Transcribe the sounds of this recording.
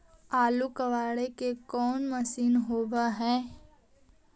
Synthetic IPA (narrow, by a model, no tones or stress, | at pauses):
aːlukəʋaːɽekekɔːnməsiːnɦoːʋaɦɛ̃ː